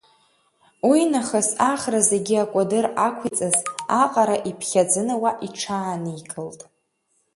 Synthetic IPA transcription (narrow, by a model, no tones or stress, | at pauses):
wijnaχasaχraze̞ɡʲiakʷʼadɨrakʷʰit͡sʼɨzaqʼaɾaʔipʰχʲad͡zɨnɨwaʔiʈ͡ʂʰaːnɨikʼɨltʼ